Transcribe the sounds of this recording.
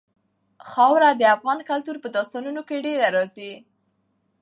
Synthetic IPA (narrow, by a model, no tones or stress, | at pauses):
xɑwɾad̪əafɣɑnkalt̪uɾpəd̪ɑst̪ɑnunokeɖeɾaɾɑzi